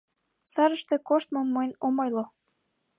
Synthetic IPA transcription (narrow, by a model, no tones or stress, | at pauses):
sɑɾəʃt̪ĕkoʃt̪̚momːojnomojlo